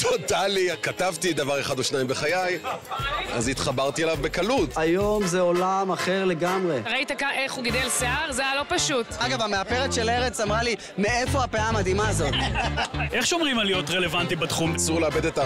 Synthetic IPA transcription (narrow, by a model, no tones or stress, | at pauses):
t̪ʰo̞talikatavt̪id̪avaʁe̞χadoʃnaimbe̞χajaj | a̰zit̪χabaʁt̪ielavbe̞kalutajo̞mzeolamaχeʁle̞ɡamʁeʁait̪akaʔeχuɡid̪elseaʁzejalo̞paʃut̪aɡavameape̞ʁetʃeleʁet͡samʁali | meefo̞apeamad̪imaːzo̞t̪ | ʔeχʃomʁimalijot̪ʁele̞vant̪ibat̪χumsuʁleabedeta